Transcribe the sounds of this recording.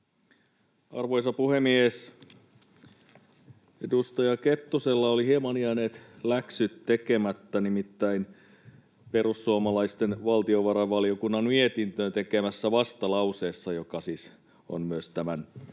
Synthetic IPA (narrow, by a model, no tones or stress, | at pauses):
ɑ̰rʋoisɑpuhemies | edust̪ɑjɑket̪ːuselːɑolihemɑniɑneːt̪læksyt̪tekemæt̪ːænimit̪ːæin | pe̞rusːuomɑlɑist̪enʋɑlt̪ioʋɑɾɑʋɑliokunːɑnmiet̪int̪øt̪ekemæsːæʋɑst̪ɑlɑuseːsːɑjokɑsiːs | o̰nmyøst̪æmæn